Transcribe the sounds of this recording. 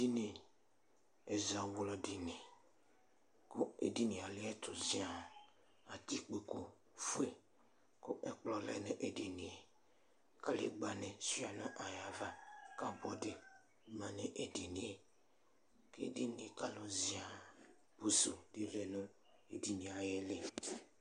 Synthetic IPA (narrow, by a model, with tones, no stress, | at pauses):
di˦ne˨ | e˨za˨wʊ˦lɔ˨dɪ˨ne˨ | kʊ˦ḛ˨di˦ni˨a˨lɪ˦ɛ˦tʰʊ˨zi˨˦a˨ | a˨ti˦k͡pe˨ko˦ | fu˦e˦˨ | kʊ˦ʔɛ˨k͡plɔ˨lɛ̰˨nʊ˦ʔe˨di˨ni˨e˨ | ka˦lḛ˨ɡ͡ba˨nɪ˨si˦a˨nʊ˦ʔa˨ja˨va˦ka˦bɔ˦dɪ˨˦ | mã˨nɪ˦˨ʔe˨de˨ni˨e˨ | kḛ˦de˦nĩ˨e˨ka˦lʊ˨zi˨a˨ | b̥u˨su˨de˦lɛ˨nʊ˦ | e˨di˨nĩ˨a˨jɛ˦le˦